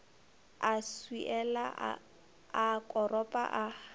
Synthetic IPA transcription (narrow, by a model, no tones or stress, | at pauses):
aswiʔɛla | akʼɔrɔpʼa̰ʔa